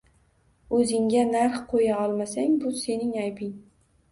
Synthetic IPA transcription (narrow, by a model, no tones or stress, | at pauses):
ɵzɪŋɡʲanaɾχqʰojaɒlˠmasaŋbʊse̞nɪŋajpʰɪŋ